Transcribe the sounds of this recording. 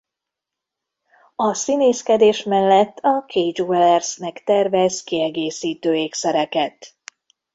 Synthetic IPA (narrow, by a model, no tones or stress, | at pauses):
ɒsineːskɛd̪eːʃmɛlːɛt̪ːɒkʰejd͡ʒoɛlɛrsnɛkt̪ɛrvɛzkiɛɡeːsiːt̪øːeːksɛɾɛkɛt̪